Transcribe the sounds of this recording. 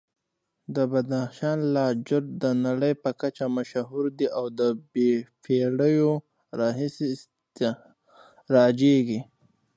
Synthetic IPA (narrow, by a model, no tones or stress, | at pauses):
d̪əbad̪axʃɑnlɑd͡ʒʊɾd̪ənaɽəjpəkat͡ʃamaʃaɦuɾd̪iʔawd̪əbepeɽəjo | ɾɑɦisi | ɾɑd͡ʒeɡi